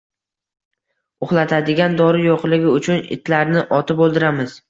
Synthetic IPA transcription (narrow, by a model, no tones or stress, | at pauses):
ʊχlˠat̪ʰad̪ɪɡʲand̪ɒɾɪjoqlˠɪɡʲɪʊt͡ʃʰʊnɪ̰t̪ʰlaɾnɪʔɒt̪ʰɪpolˠd̪ɪɾamɪz̥